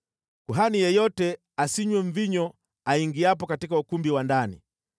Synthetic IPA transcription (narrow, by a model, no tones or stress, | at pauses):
kuɦanijɛjɔtɛ | asiɲwɛɱ̩viɲɔ | aiŋɡiap̬ɔkatikaukumbiwandanḭ